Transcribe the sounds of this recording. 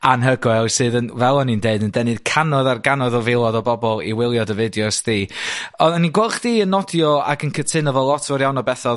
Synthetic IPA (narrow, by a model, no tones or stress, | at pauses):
anɦəɡɔɛlˠsɨːðənvɛlˠɔnindeɨdəndɛnɨð̥kʰanɔðarɡanɔðɔvɪlˠɔðɔbɔbɔlˠḭwɪlˠjɔdəvɪdjɔsdiːɔninɡwɛlˠχd̥iːənːɔdjɔa̰ɡənkʰətʰɪnɔvɔlˠɔtʰɔɾjawnɔbɛθɔð